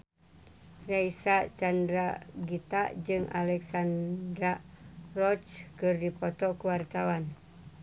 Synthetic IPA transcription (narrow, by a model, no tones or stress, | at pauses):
raisat͡ʃandɾaɡit̪a̰d͡ʒɨŋa̰lɛksandɾarɔt͡ʃkɨrdipɔt̪ɔkuwart̪awan